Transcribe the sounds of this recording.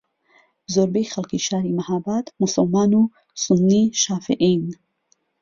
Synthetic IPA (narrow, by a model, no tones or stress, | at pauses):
zoɾbexalkiʃaːɾimahabat̪mʊsalmɑːnu | sʊnːiʃɑːfɪʔin